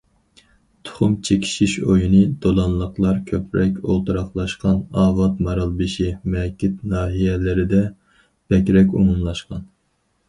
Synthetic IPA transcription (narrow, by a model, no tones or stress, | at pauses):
t̪ʰʊ̥χʊmt͡ʃʰekʲʰi̥ʃiʃojinɨd̪olˠɑnlˠəqlˠɑɾkʲʰøpɾɛkʲo̰lˠt̪ɨɾɑχlˠɑʃqɑnɑːvɑt̪mɑɾɑlˠbɨʃimɛkʲʰit̪nɑːɦijɛlɪɾɪd̪ɛ | b̥ɛkʲɾɛkʲṵmumlˠɑʃqɑn